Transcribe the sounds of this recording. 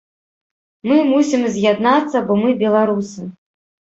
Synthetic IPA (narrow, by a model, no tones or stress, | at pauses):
mɨmusʲimzʲjad̪nat̪sːɐbɔmɨbʲɛlˠaɾusɨ